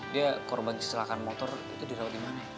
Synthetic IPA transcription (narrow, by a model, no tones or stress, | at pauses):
diakɔrbanki̥st̪ilakanmɔt̪ɔrḭt̪udiɾawat̪̚dimana